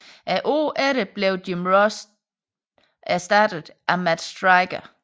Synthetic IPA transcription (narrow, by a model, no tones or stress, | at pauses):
ʔæʔoʔæɾəb̥leʊdimʁɔs | æɐsd̥æːd̥ð̩ˠʔæmæd̥sd̥ʁɑɪɡ̥ɐ